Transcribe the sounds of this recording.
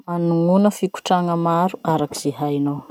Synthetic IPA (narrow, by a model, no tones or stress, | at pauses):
manuŋunəfiku̥ʈ͡ʂaŋəmaɾuʔaɾaki̥z̥eɦainow